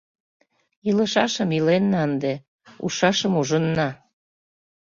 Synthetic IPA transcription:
ilə̆ʃɑʃəmilenːɑənd̪e | ṵʃɑʃəmuʒənːɑ

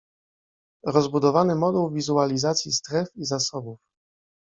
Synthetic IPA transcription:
ɾɔzbud̪ɔvanɘmɔd̪uwvʲizualʲizat̪sʲjist̪ɾɛfizasɔbuf

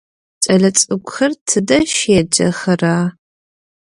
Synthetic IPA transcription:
t͡ʃʼɐɮɐt͡sʼɨɡʷʼʊxɐrtʰɨdɐʃeːd͡ʒɐ̰xɐraː

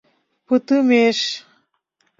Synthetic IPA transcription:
pɨt̪ɨmeʃ

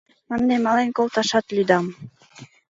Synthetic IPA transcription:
mɑnːemɑlenkolˠt̪ɑʃɑt̪lʲyd̪ɑm

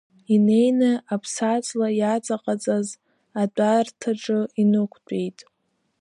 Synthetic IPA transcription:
ine̞jnɨapʰsat͡sʼlajat͡sʼaqʼat͡sʼaz | adʼartʰaʈ͡ʂʼɨinɨkʷʰt͡pʷʼe̞jtʼ

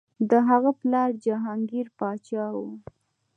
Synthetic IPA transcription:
d̪əɦaɣaplɑɾd͡ʒaɦɑŋɡiɾpɑt͡ʃɑwu

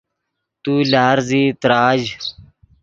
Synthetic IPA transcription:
t̪uːlaːɾziːt̪ɾaːd͡ʒ

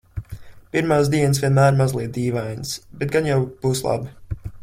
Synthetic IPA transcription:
piɾmaːs̬d̪iɛnsvʲiɛnmæːɾmazlˠiɛt̪̚d̪iːvajnsbɛt̪̚ɡanjawb̥uːslˠa̰bi

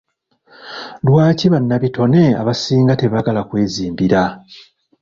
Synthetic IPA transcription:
lwaːciβanːaβito̞ne̞a̰βasiːŋɡate̞βaɡalakwe̞ːziːmbiɾa

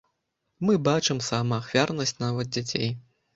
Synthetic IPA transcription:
mɨbat͡ʂɨmsamɐːxvʲarnɐsʲt͡sʲnavɐd̪̚d͡zʲat͡sʲḛj

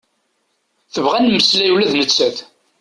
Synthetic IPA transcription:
θəvʁænməslæjulæðnət͡sːæθ

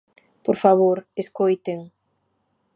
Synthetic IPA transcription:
poɾfaβoɾeskojt̪eŋ

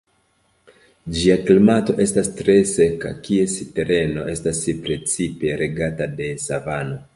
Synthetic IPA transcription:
d͡ʒiaklimato̞ʔe̞stastɾe̞se̞ka̰kie̞siteɾe̞no̞ʔe̞stasipɾe̞t͡sipe̞ɾʔe̞ɡatade̞savano̞

